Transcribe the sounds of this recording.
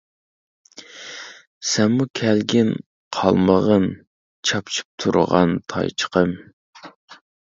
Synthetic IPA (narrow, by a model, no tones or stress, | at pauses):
sɛmːukʲʰɛlɡʲɪn | qʰɑ̰lˠməʁən | t͡ʃʰɑpt͡ʃʰi̥p̚t̪ʰuɾʁɑ̰nt̪ʰɑ̰jt͡ʃʰə̥qʰəm